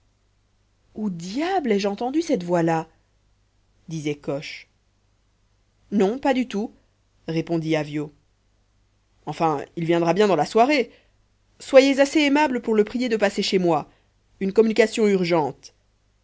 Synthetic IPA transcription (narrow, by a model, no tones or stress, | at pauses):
ud̪jablɛʒɑ̃t̪ɑ̃d̪ysɛt̪vwala | d̪izɛkɔʃ | nɔ̃pad̪yt̪u | ʁepɔ̃d̪iavjo | ɑ̃fɛ̃ilvjɛ̃d̪ʁabjɛ̃d̪ɑ̃laswaʁe | swajezaseɛmabləpuʁləpχijed̪əpaseʃemwa | ynkɔmynikasjɔ̃yʁʒɑ̃t̪